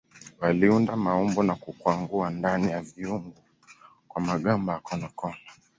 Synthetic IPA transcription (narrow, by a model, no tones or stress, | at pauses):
waliundamaɔmbɔnakukwaŋɡuandanijaviuŋɡu | kwamaɠambaakɔnɔkɔla